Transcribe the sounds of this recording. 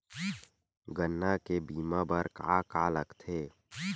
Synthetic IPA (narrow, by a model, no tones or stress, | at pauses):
ɡənːakebiːmabəɾka̰ːkaːləkt̪ʰeː